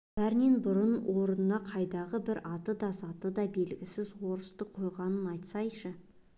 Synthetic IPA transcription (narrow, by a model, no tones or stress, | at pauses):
b̥æɾne̞nbʊɾənwʔo̞ɾənənɑqʰɑjd̪ɑʁəbɪɾɑt̪əd̪ɑsɑt̪əd̪ɑbe̞lɡʲɪsɪzwo̞ɾəst̪əqʰo̞jʁɑnənɑjt̪sɑjʃə